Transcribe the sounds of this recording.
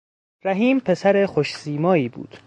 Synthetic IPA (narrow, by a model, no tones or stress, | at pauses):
ɾæɦiːmpʰe̞sæɾexoʃsiːmɒːiːbṵːd̪̥